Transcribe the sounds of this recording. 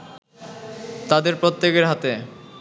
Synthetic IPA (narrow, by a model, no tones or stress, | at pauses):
t̪ad̪eɾpɾot̪ːekeɾɦat̪e